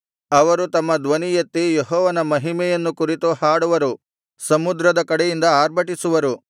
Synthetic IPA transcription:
ɐʋɐɾut̪ɐmːɐd̪ʋɐnijɐt̪ːijeɦɔːʋɐnɐmɐɦimɛjɐnːukuɾit̪uhaːɽuʋɐɾu | sɐmud̪ɾɐd̪ɐkɐɽɛjind̪ɐaːɾbʱɐʈisuʋɐɾu

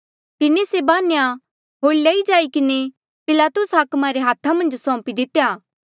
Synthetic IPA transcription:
t̪ɪnesebaːnja | ɦoːilaid͡ʒaːikɪne | pɪlaːt̪ʊsɦaːkmaɾeɦaːt̪ʰamɐ̃nd͡ʒsɔ̃ːpid̪ɪt̪ːejaː

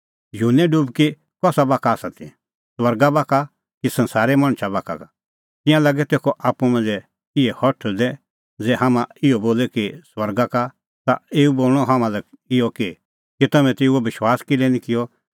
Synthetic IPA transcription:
juːnɛɖubki | kɔːsabaːkaːsat̪ʰḭ | swɐɾɡabaːka | kisɐ̃nsaːɾɛmɐ̃ɽ̃t͡ʃʰabaːka̰ka | t̪ɪ̃jãlɐɡɛt̪eːkʰɔʔaːpːũmɐ̃nd͡zɛ | ɪɛhɔʈʰd̪ɛ | d͡zɛːɦaːmãɪɔboːlɛkiswɐɾɡaka | t̪aeːuboːlɽ̃ɔɦamãlɛ | ɪjɔki | kit̪ɐmɛ̃t̪eːuobɪʃwaːskileːnĩkɪjɔ

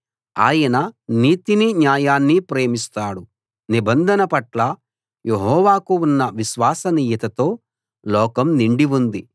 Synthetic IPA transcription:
a̰ːjɐnɐniːt̪iniɲjaːjaːnːipɾeːmist̪aːɽu | nibɐnd̪ʱɐnɐpɐʈlɐ | jeɦɔːʋaːkuunːɐʋiʃʋaːsɐniːjɐt̪ɐt̪o̞ː | lɔːkɐmniɳɖiʋund̪i

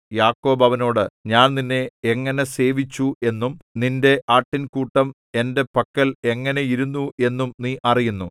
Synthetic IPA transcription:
jaːkːo̞ːbɐʋɐno̞ːɽɨɲaːnninːe̞eŋːɐne̞se̞ːʋit͡ɕːue̞nːumninde̞ʔaːʈːinkuːʈːɐm | e̞nde̞pɐkːɐle̞ŋːɐne̞jiɾunːue̞nːumniːʔɐrijunːu

